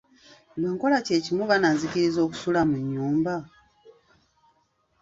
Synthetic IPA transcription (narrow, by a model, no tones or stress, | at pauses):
noːŋko̞lace̞ːcimuβanaziciɾizo̞ːku̥sulamuɲːuːmba